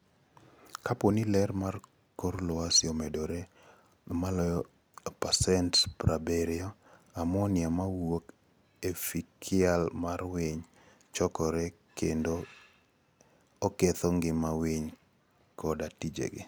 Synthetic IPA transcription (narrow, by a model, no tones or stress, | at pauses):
kaponilɛɾmar | koɾlɔasjɔmedoɾe | malɔjɔ | pasɛntpɾabeɾɪɔamɔnɪamawok | efikʰɪalmarwiɲ | t͡ʃɔkɔɾɛ | kʰendo | ket̪ɔŋɡɪmawiɲ | kʰɔdatid͡ʒḛɡɪ̰